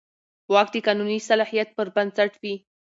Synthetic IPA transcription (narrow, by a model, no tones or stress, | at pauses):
wɑk̚d̪əkɑnunisalɑhijat̪̚pəɾbansaʈwi